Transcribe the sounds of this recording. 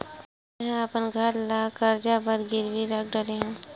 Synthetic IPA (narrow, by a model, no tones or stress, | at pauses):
ɦə̃əpənɡʱəɾlaːkəɾd͡ʒabəɾɡɪɾbiɾək̚ɖəɾeɦã